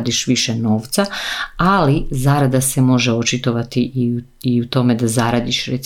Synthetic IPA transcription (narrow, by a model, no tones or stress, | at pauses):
d̪iʃʋiʃeno̞ːʋt̪saalizaːɾad̪asemo̞ʒeo̞t͡ʃit̪o̞ʋat̪iʔ | iut̪o̞me̞d̪azaɾad̪iʃɾet̪s